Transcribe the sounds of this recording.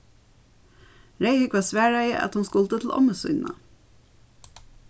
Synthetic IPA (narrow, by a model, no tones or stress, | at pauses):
ɹeɪhʏkʋɑːsʋæːɹœɪə̰ʔɑ̰t̪hʊnskʊlt̪ət̪ʰl̩ʔɔ̰məsʏ̰ʏnʔə̰